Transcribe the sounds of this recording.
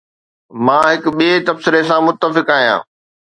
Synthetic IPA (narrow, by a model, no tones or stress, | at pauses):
mãːɦɪkʊɓiet̪ɐbsɪɾesãmʊt̪ːəfɪkaːɦijã̰ː